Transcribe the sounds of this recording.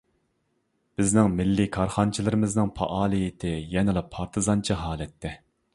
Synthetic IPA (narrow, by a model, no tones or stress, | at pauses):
b̥ɪznɪŋmɪlːikʰɑɾχɑnt͡ʃʰilˠɨɾɪmɪznɨŋpʰɑ̰ʔɑːlˠɨjɪt̪ʰɪjɛnɪlˠɑpʰɑɾt̪ʰɨzɑnt͡ʃʰiɦɑːlˠɛt̪ʰːɛ